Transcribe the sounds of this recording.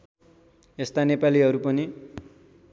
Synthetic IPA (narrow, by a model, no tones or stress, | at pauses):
est̪anepaliɦʌɾupʌni